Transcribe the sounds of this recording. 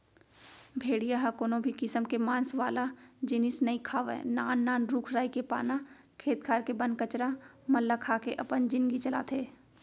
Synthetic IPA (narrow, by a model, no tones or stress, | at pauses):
bʱeːɽijaɦakoːnobʱikɪsəmkemãːnsʋaːlad͡ʒɪnɪsnɐikʰaːʋɛ̰ːna̰ːnːaːnɾuːkʰɾaːikepa̰ːna | kʰeːt̪̚kʰaːɾkebɐ̃nkɐt͡ʃɾa | mɐlːakʰaːkeʔɐpənd͡ʒɪ̃nɡit͡ʃɐla̰ːt̪ʰeː